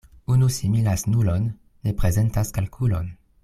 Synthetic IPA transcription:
unusimilasnulonː | e̞pʁe̞ze̞ntaskalkʰulon

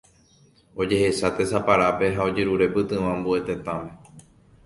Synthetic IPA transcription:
o̞d͡ʒe̞he̞sat̪e̞sapaɾape̞ɦao̞d͡ʒeɾuɾe̞pɨt̪ɨ̃ʋãmbue̞t̪e̞t̪ãmẽ

